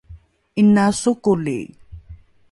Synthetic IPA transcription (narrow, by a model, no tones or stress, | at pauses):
inasukulḭ